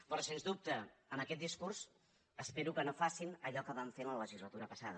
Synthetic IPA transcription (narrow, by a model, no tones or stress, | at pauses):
pɾɔsenzd̪up̚t̪əəməkɛt̪̚d̪iskurs | əspeɾukənofasinəʎɔkəβaɱfenlələʒizlət̪uɾəpəsaðə